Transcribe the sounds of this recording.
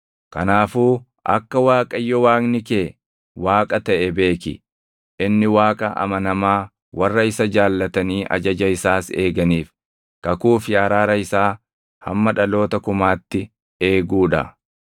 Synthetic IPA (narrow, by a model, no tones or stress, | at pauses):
kɐnaːfuː | ʔɐ̰kːɐwaːkʼɐjːɔwaːknɪkeː | waːkʼɐt̪ɐʔɛbe̞ːkɪ̰ | ʔɪnːɪwaːkʼɐʔɐ̰mɐnɐmaː | wʔɐrːɐɪsɐd͡ʒaːlːɐt̪ɐniːʔɐ̰d͡ʒɐd͡ʒɐɪsaːse̞̰ːɡɐniːf | kɐkuːfjaːɾaːɾɐɪsaː | hɐ̰mːɐᶑɐlo̞ːt̪ɐkʊmaːt̪ːɪ | e̞ːɡuːᶑɐ̰